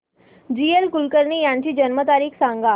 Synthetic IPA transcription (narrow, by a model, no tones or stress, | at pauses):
d͡ʑielkulkəɾniːjaɲt͡ɕiːd͡ʑənmət̪aɾiːkʰsãŋɡa